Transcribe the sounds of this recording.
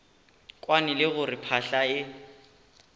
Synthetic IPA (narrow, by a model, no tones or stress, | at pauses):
kʼwanɪlɪɣʊrɪpʰaɬaɪ